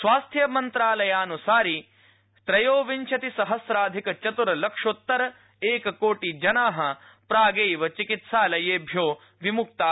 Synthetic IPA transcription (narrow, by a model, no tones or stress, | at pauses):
sʋaːst̪ʰjɐmɐnt̪ɾaːlɐjaːnusaːɾi | t̪ɾɐjoːʋiɲt͡ʃʰɐt̪isɐɦɐsɾaːd̪ʱikɐt͡ʃɐt̪uɾɐlɐkʂot̪ːɐɾɐ | eːkɐkoːʈid͡ʒɐnaːɦɐ̆ | pɾaːɡeːjʋɐt͡ʃikit̪ʃaːlɐjeːbʱjoː | ʋimuk̚t̪aː